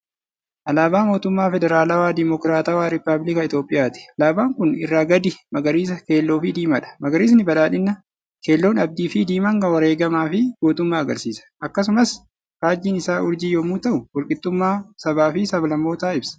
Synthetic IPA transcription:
ʔɐlaːbaːmoːt̪ʊmːaːfɛd̪ɛɾaːlɐwaːd̪ɪmɔkɾaːt̪ɐwaːɾɪpːɐblɪkɐɪt̪jo̞ːpʼːɪjaːt̪ɪ̥ɐlaːbaːŋkʊnɪrːaːɡɐd̪ɪmɐɡɐɾiːs̬ɐke̞ːlːo̞ːfɪd̪iːmɐᶑɐ̥mɐɡɐɾiːsnɪbɐlaːᶑɪnːɐ | ke̞ːlːoːnɐb̚d̪iːfid̪iːmɐŋɡɐwɐɾeːɡɐmaːfɪɡoːt̪ʊmːaːɐɡɐ̰ɾsiːsɐ̥ʔɐkːɐsʊmɐs | kaːd͡ʒːiːnɪsaːʊɾd͡ʒɪjoːmuːt̪ɐʔʊwɔlkʼɪt̪ːʊmːaːsɐbaːfɪsɐbɐlɐmːo̞ːt̪aːɪbsɐ̥

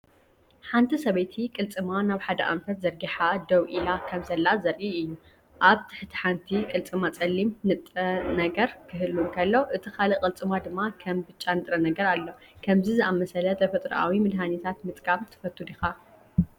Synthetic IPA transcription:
ħant̪ʰisɐβɐjt̪ʰikʼɨlt͡sʼɨmanaβħad̪ɐʔa̰mfɐt̪zɐɾɡiħad̪ɐwʔilakʰɐmsɐlːazɐɾʔiɨjːu | ʔaβt̪ʰɨ̥ħt̪ʰi̥ħant̪ʰikʼɨlt͡sʼɨmat͡sʼɐlːimnɨt̪ʼɐnɐɡɐɾkʰɨɦɨlːunkʰɐlːo̞ʔɨt̪ʰikʰalɐkʼɨlt͡sʼɨmad̪ɨmːakʰɐmbɨt͡ʃʼːanɨt̪ʼɾɐnɐɡɐɾalːo̞kʰɐmzizɨʔamɐsɐlɐt̪ʰɐfɐt̪ʼɾʔa̰wimɨd̪ɦanit̪ʰat̪mɨt̪ʼkʰʼamt̪ʰɨ̥fɐt̪ʰːud̪ixa

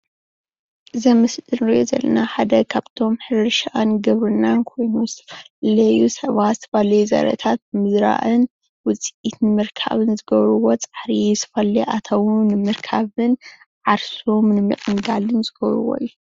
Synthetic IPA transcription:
ʔɨzɐmɨsd̪ɨnɾiʔo̞zɐ̰lɐ̰naħad̪ɐkʰaβt̪ʰo̞mħɨɾɨʃaʔanɡɨβɾɨnːankʰo̞jnuzɨt̪ʰɐ̥fɐlɐjusɐβat̪z̥ɨt̪ʰɐβalɐjuzɐ̰ɾɐ̰t̪ʰat̪̚mɨzɾa̰ʔɨn | wʊt͡sʼiʔit̪nɨmɨɾkʰa̰βɨnzɨɡɐβɾɨwo̞t͡sʼḁħɾisʰɐ̥fɐlːiʔat̪ʰɐwnɨmɨɾkʰaβɨn | ʕaɾsumnɨmɨ̰ʔʼɨŋɡalɨnzɨɡ̥ɐβɾṵwo̞̰jːu

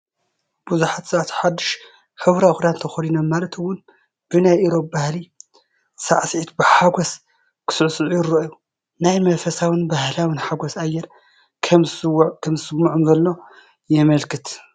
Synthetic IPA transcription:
b̥uzuħat̪sat̪ʰħad̪ːɨʃ | ħɨβɾaxd̪ant̪ʰɐxɐlinommalɐt̪ʰɨwʊn | b̥ɨnajʔiɾo̞p̚bahli | saʕsʕit̪bɨħaɡʷos | kʰɨ̥sɨʕsɨʕujɪɾːoʔju | najmɐfɐsawɨnbahlawɨnħaɡʷosajːɛɾ | kʰɐmkʰɐmzɨsɨmːuʕumzɐlːo̞ | jɛmɐlkʰɨt̪

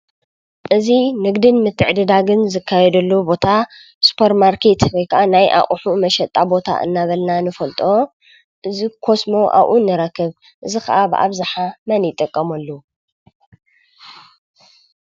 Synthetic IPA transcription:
ʔɨzinɨɡd̪ɨnmɨt̪ʰːɨʕd̪ɨd̪aɡɨnzɨkʰːajɛd̪ɐlːobo̞t̪ʰa | su̥pʰɐɾmaɾkʰet̪bojkʰɐʔanajʔa̰χʼuħumɐʃɐt̪ʼːabo̞t̪ʰa̰ʔɨ̰nːaβɐlnanɨfɐlt̪ʼo | ʔɨzikʰo̞smo̞ʔa̰βʔunːɨɾɐkːɨβ | ʔɨzixɐʔabɨʔa̰βzɨħamɐnjɪt̪ʼːɨkʼːɐmɐlːo

